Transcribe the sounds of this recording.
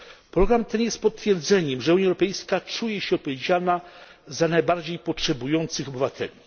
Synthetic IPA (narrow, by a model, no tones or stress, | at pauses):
pɾɔɡɾamt̪ɛnjɛst̪pɔt̪t̪fʲjɛɾd̪zɛɲɛmʐɛuɲjaɛwɾɔpɛjskat͡ʂujɛɕɛɔpɔvʲjed͡ʑana | zanajbaɾd͡ʑejpɔtʂɛbujɔnt̪sɘxɔbɘvat̪ʰɛ̰lʲi